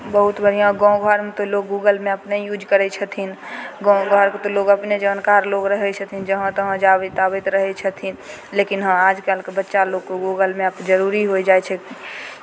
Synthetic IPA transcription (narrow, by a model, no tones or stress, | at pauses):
bəɦut̪bəɽ̤ijãɡɔ̃ɡʱəɾmet̪oloɡ̚ɡuɡəlmeəpnejud͡ʒkəɾɛt͡ʃʰət̪ʰinɡɔ̃ɡʱəɾket̪oloɡəpned͡ʒənkaɾloɡɾəɦɛt͡ʃʰət̪ʰind͡ʒəɦə̃t̪ɔɦə̃d͡ʒabet̪abɛt̪ɾəɦɛt͡ʃʰət̪ʰin | lekinɦə̃ad͡ʒkalkebətːʃaloɡkoɡuɡəlmeəpd͡ʒəɾuɾiɦoid͡ʒaɛt͡ʃʰɛki